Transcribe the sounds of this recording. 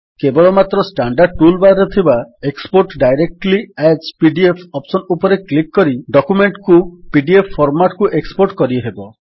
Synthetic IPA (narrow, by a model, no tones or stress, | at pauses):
kebɔɭɔmat̪ɾɔsʈaɳɖaɾɖ̚ʈulbaɾet̪ʰibaekspoɾʈɖajɾek̚ʈlied͡ʒpiɖiepʰɔpsɔnupɔɾeklikːɔɾiɖɔkumeɳʈkupiɖiepʰːɔɾmaʈkuʔekspoɾʈkɔɾiɦebɔ